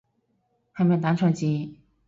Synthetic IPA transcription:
xa˧˥˨me˥˧˨t̪a˧˥ʈ͡ʂʰɤ˧˥˩t͡ɕi˧˥˩

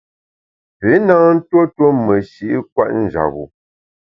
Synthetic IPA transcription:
pe˨˦na˦ŋn̩˦two˦two˦mə˨ʃi˦ʔi˦kwa̰˦˨ʔn̩˨d͡ʒa̰˨ɣṵ˨

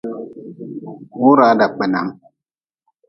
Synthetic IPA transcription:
wu˦ɾa˨˦da˨k͡pɛ˨na̰˨˦ŋ

